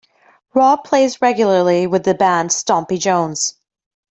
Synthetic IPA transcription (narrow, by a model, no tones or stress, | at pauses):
ɹɔpʰl̥eɪzɹɛɡjl̩ˠə˞lˠiwɨðɨbæ̃nd̥stɑ̃mpid͡ʒõʊ̃nz̥